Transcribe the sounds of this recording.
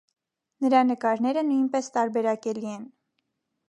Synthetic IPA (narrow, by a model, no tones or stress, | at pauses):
nəɾɑnəkɑɾnɛɾənujnpɛst̪ɑɾbɛɾɑkɛliɛn